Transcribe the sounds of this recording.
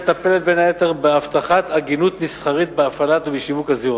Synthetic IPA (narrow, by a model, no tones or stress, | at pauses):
t̪ape̞let̪̚benhaet̪eʁbeaft̪aχat̪aɡinut̪misχaʁit̪̚beafalat̪ubiʃivukhaziu